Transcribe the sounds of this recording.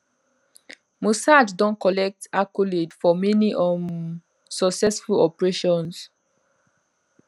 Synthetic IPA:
musaddɔ̃nkɔlɛk̚takuledfɔmɛniʔɔ̃n | sɔksɛsfulɔpɹeʃɔ̃ns

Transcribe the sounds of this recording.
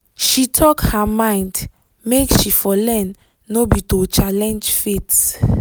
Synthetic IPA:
ʃitʰɔkhamãɪ̃nd | mekʃifɔlɛ̃nː | obitot͡ʃalɛ̃nd͡ʒfet

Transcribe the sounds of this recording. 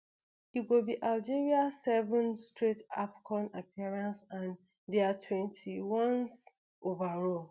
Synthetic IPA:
iɡobiʔald͡ʒeɹiasɛvə̃nstɹitafi̥kʰɔ̃napiaɹãnsãn | dɛatʰwɛ̃ntʰiwɔ̃ns | ʔovaɹɔl

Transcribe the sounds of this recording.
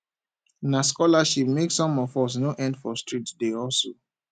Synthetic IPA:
naskɔlaʃip̚meksɔ̃mɔvɔs̬noʔɛ̃ndfɔstɹitdeɔlso

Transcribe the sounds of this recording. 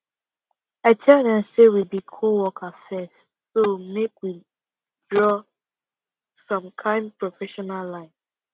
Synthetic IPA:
aɪtʰɛlˠdɛ̃msewibikʰowɔkasɛ̃ns | somekwi | dɹɔ | sɔ̃mkʰãɪ̃n̚pɹɔfɛʃɔnalːãɪ̃n

